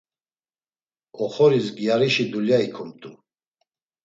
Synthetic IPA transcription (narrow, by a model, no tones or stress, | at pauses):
ɔχɔɾisɡiaɾiʃid̪uljaikʰɔmt̪ʼu